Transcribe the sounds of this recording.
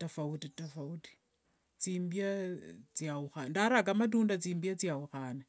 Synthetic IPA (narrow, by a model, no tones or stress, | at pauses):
tafawutitafawuti̥ | t͡simbiat͡siawuxandaɾakamad̬undat͡siːmbiat͡siawuxaːna